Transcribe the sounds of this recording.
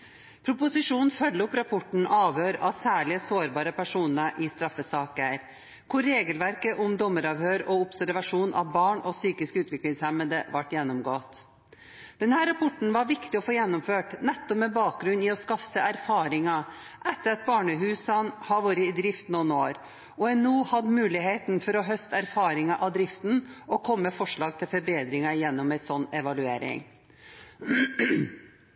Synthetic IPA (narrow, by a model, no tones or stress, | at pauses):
pʰɾʊpʊsɪʂuːnfœlːəʊpɾɑpʰɔʈɳ̩ɑːʋjøːɾɑsæːɭɪəsoːɾbɑːɾəpæʂuːnəʔɪst̪ɾɑfːəsɑːkəæɾ | kʰʊɾːeːɡəlʋæɾkəʔʊmd̪ɔmːəɾɑʋhøːɾɔʊpsæɾʋɑʂuːnʔɑ̰ʋbɑːɳɔsyːkɪskʉːt̪ʋɪklɪŋshɛməd̪əʋɑʈːjɛnːɔmɡoːt̪ | d̪̥ɛnhæːɾːɑpʰɔʈɳ̩ʋɑɾʋɪkt̪ɪɔfoːjɛnːʊmføːʈnɛt̪ːɔpmɛbɑːk̚ɡɾʉnːɪɔskɑfəæɾfɑːɾɪŋɑʔɛt̪ːəɾɑt̪̚bɑːɳəɦʉːsɑnhɑɾʋuːɾəɪd̪ɾɪft̪nunoːɾ | ɔɛnuːhɑd̪mʉːlɪheːt̪nfɔɾɔɦœst̪əæɾfɑːɾɪŋɑʔɑd̪ɾɪft̪n̩ʔɔkʰɔmːəfɔʂɭɑːɡ̚t̪ʰɪlfɔɾbeːd̪ɾɪŋɑjɛnːɔmæɪsɔnːɛʋɑlʉeːɾɪ̰ŋ